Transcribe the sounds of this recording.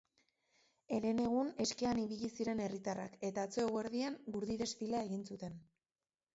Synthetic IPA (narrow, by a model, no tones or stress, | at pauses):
e̞ɾe̞ne̞ɣ̞une̞skeaniβ̞iʎisiɾe̞ne̞rit̪ara̰ke̞t̪aːt͡so̞eɣe̞ɾðiaŋɡuɾðiðe̞sfilae̞ɣinsut̪e̞n